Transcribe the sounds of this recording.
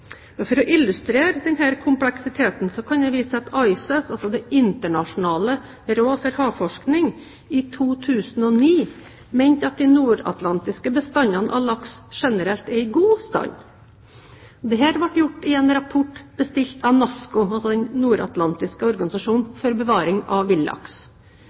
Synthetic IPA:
mɛfɔɾɔʔɪlʉst̪ɾeːɾd̪ɛnɦæːɾkʰʊmplɛksɪt̪ʰeːt̪n̩sɔkʰɑnj̪æɪʋiːsəɑt̪ʰɑɪsɛsɑlsɔd̪ɛɪnt̪əɳɑʂʊnɑːlə | ɾoːfɔɾhɑːfɔʂknɪŋ | ɪt̪ʰuːt̪ʰʉːsn̩ɔniː | mæɪnt̪əɑt̪̚d̪ɪnuːɾɑ̰t̪lɑnt̪ɪskəbəst̪ɑnːɑnə̰ʔɑlɑksʂɛnəɾɛlt̪ɛɪɡuːst̪ɑ̰ɲː | ɔd̪ɛhæːɾʋɑʈjʊʈːɪɛːnɾɑpʰʊʈːb̥əst̪ɪlt̪ʰɑʋnɑskʊɑlsɔd̪ɛnnuːɾɑ̰t̪lɑnt̪ɪskəɔɾɡɑnɪsɑʂuːnfɔɾbəʋɑːɾɪŋɑʋɪlːɑ̰ks

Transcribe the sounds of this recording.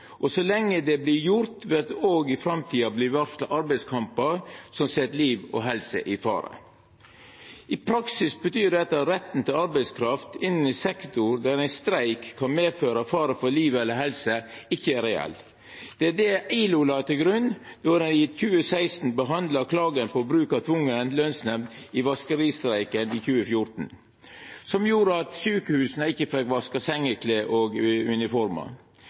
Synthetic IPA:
ʔɔsɔlɛŋːəd̪ɛblɪjʊɾt̪ʋɛɑt̪oːɡɪfɾɑmt̪ʰiːɑblɪɾʋæɾsləʔɑɾbæɪskʰɑmpəɾsɔmsɛt̪liːʋɔ̰ɦɛlsə̰ʔɪfɑ̰ːɾə̰ | ɪpʰɾɑksɪsbət̪ʰyːɾɖ̪ɛt̪ːɑɾɛt̪ːn̩t̪ʰɪlɑɾbæɪskʰɾɑft̪ɪnːn̩ɪsɛkt̪ʊɾd̪æɾæɪnst̪ɾæɪkʰːɑnmeːføːɾɑfɑːɾəfɔliːʋəɛlːəɾɦɛlsəɪçːəæɾɛɛ̰l | d̪̥ɛæd̪ɛʔæɪluːlɑt̪ɪɡɾʉnd̪̥ɔd̪ɛnjɪt̪çʉːəsæɪst̪n̩bəɦɑnd̪lɑkʰlɑːɡənpɔbɾʉːkɑt̪ʰʋʊŋːənlœnsnɛmd̪ɪʋɑskəɾiːst̪ɾæɪkəniːçʉːəfjʊɾt̪n̩ | sɔmjuːɾəɑt̪syːkəhʉːsnəɪçːəfɛkʋɑskɑsɛŋːəkʰleːʔoɡʉnɪfɔɾmɑ̰

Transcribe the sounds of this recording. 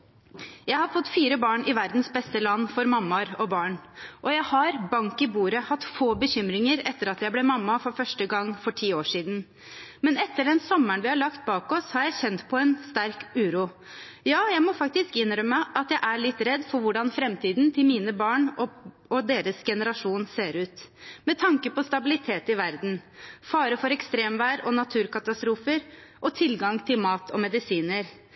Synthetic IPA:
jæɪhɑɾfɔt̪ːfiːɾəbɑːɳɪʋæɾd̪n̩sbɛst̪əlɑnːfɔɾmɑmːɑɾɔbɑːɳʔɔjæɪhɑɾbɑŋkɪbuːɾəhɑt̪ːfoːbəçʏmɾɪŋəɾɛt̪ːəɾɑt̪jæɪblɛmɑmːɑfɔɾfœʂʈəɡɑŋːfɔʈʰiːoːʂiːd̪n̩ | mɛnɛt̪ːəɖɛnsɔmːəɳʋɪhɑɭɑkt̪̚bɑːkɔshɑɾjæɪçɛnt̪pʰɔɛnst̪æɾkʉːɾuː | jɑːjæɪmɔfɑk̚t̪ɪskɪnɾœmːəʔɑt̪jæɪʔæɭɪt̪ːɾɛd̪ːfɔɾʋʊɖɑnfɾɛmt̪iːd̪nt̪ʰɪlmiːnəbɑːɳɔ | ɔd̪eːɾəsɡɛnəɾɑʂuːnseːɾʉːt̪mɛt̪ʰɑŋkəpɔst̪ɑbɪlɪt̪ʰeːt̪ɪʋæɾd̪n̩fɑːɾəfɔɾɛkst̪ɾeːmʋæːɾɔnɑt̪ʰʉːɾkɑt̪ɑst̪ɾuːfəɾʔɔt̪ʰɪlɡɑŋt̪ʰɪlmɑːt̪ʰɔmɛd̪ɪsiːnəɾ

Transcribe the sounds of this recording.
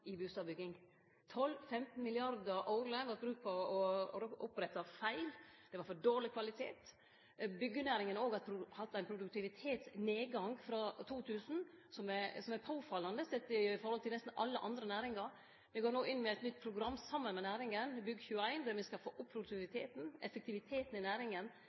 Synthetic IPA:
ɪbʉːst̪ɑːʋbʏɡɪŋ | t̪ʰɔlːfɛmt̪n̩mɪlɪɑɾd̪əɾʔɑʊɾləʋɑt̪bɾʉːkt̪̚pʰɔɔʊpɾɛt̪ːɑfæɪld̪̥ɛʋɑɾfɔɖoːɾlɪkʰʋɑlɪt̪ʰḛːt̪ | bʏɡːənæːɾɪŋənoːɡɑʊhɑt̪ːæɪnpʰɾʊd̪ʉk̚t̪ʰɪʋɪt̪ʰeːt̪sneːɡɑŋɡfɾɑt̪ʰuːt̪ʰʉːsn̩sɔmæsɔmæɾpʰoːfɑlːɑnd̪əsɛt̪ːɪfɔɾhɔlt̪ʰɪlɛst̪n̩ɑlːəʔɑ̰nd̪ɾənæːɾɪŋɑɾ | mɪɡoːɾnoːʔɪnːmɛæɪt̪nʏt̪̚ːpʰɾʊɡɾɑmːsɑmːənmɛnæːɾɪŋənbʏɡːçʉːəæɪnd̪æɾmɪskɑlfoːʔʊpːʰɾʊd̪ʉk̪ɪʋɪt̪ʰeːt̪n̩ɛfɛkt̪ɪʋɪt̪ʰeːt̪n̩ɪnæːɾɪŋən

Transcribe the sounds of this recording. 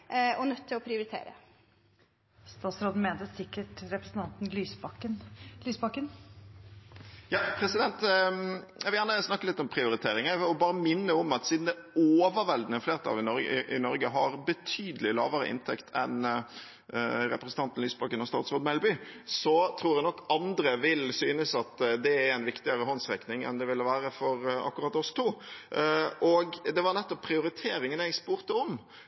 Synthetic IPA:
ɔnœt̪ʰːɪlɔpʰɾɪʊɾɪt̪ʰḛːɾə̰ | st̪ɑːt̪sɾoːd̪n̩meːnt̪əsɪkːəʈɾɛpɾəsn̩t̪ʰɑnt̪nlyːsbɑkːənlyːsbɑkːən | jɑːpʰɾɛsɪd̪ɛnt̪ | jæɪʋljæːʁnəsnɑkːəlɪt̪ːɔmpʰʁɪʊɾɪt̪ʰeːɾɪŋəɔbɑːɾəmɪnːəɔmɑt̪siːd̪n̩d̪ɛoːʋəɾʋɛld̪nəfleːʁət̪ʰɑ̰ːlɪnɔɾɡʔɪnɔɾɡəɦɑɾbət̪ʰyːd̪əlɪlɑ̰ːʋəɾə̰ʔɪ̰nt̪ʰɛkt̪ʰɛ̰n | ɾɛpɾəsən̩t̪ɑnt̪n̩lyːsbɑkənɔst̪ɑːt̪sʁoːd̪mɛlbʏsɔt̪ʰɾuːɾjænɔkːɑnd̪ɾəʋɪlsyːnəsɑt̪d̪ɛæɾæɪnʋɪkt̪ɪəɾəɦɔnsʁɛknɪŋɛ̰nd̪ɛʋɪlːəʋæːɾəfɔɾɑ̰kːʊʁɑt̪ːɔst̪ʰuː | ʔɔɡd̪ɛʋɑɾnɛt̪ːɔpːʰɾɪʊɾɪt̪ʰeːɾɪŋənɛɡspuːɾt̪əɔm

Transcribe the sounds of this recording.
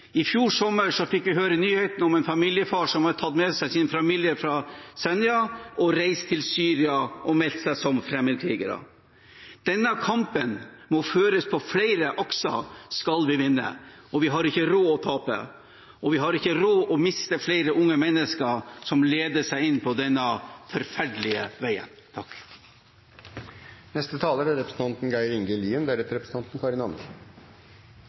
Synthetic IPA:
ɪfjuːʂɔmːəɾʂɔfɪkʋɪɦøːɾənyːhɛt̪n̩ɔmɛnfɑmiːljəfɑːʂɔmhɑtʰɑt̪mɛsæɪsɪnfɑmiljəɾfɾɑsɛnjɑʔɔɾæɪst̪ʰɪlsyːɾɪɑʔɔmɛlt̪sæɪsɔmfɾɛmːəd̪kʰɾiːɡə̰ɾə̰ | d̪̥ɛnːəkʰɑmpənmɔføːɾəspʰɔflæɪɾəʔɔksɔ̰skɑlʋɪʋɪnːə̰ | ɔʋɪɦɑɾɪçːəɾoːɔt̪ʰɑːpə̰ | ɔʋɪɦɑɾɪçəɾoːʔɔmɪst̪əfleɪɾəʔʊŋːəmɛnːəskəɾsɔmleːd̪əʂæɪɪnpʰɔd̪ɛnːəfɔɾfæɖəlɪəʋæɪə̰nt̪ʰɑkː | nɛst̪ət̪ʰɑːləɾæɾɛpɾəsn̩t̪ʰɑnt̪n̩ɡæɪɾɪŋɡəliːənd̪æɾɛt̪əɾɛpɾəsn̩t̪ɑnt̪n̩kʰɑɾɪnɑn

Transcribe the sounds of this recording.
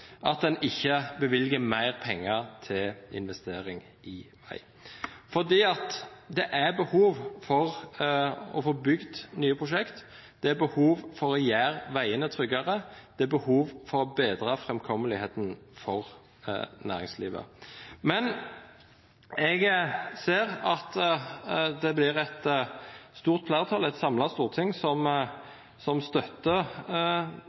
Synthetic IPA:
ʔɑt̪̚d̪ɛnɪçːəbəʋɪlɡəmæɪʁpʰɛŋːɑt̪ʰɪlɪ̰nʋɛst̪eːɾɪŋ | ɪʋæ̰ɪ | fɔd̪iːɑt̪d̪ɛʔæbəhuːʋfɔʁ | ɔ̰foːbʏɡd̪nyːəpʰʁʊʃɛkt̪ | d̪̥ɛæbəhuːʋfɔɾɔjæːʁʋæɪənət̪ʰʁʏɡɑʁəd̪̥ɛæbəhuːʋfɔɾɔbeːd̪ɾəfʁɛmkʰɔməlɪheːt̪nfɔʁ | næ̰ːʁɪŋslḭːʋə̰mɛn | ɛɡseːʁɑt̪ | d̪ɛblɪʁɛt̪ | st̪uːʁt̪̚fʰlæːʁt̪ʰɑlɛt̪sɑmlɑst̪uːʁt̪ʰɪŋsɔm | sɔmst̪œt̪ːə

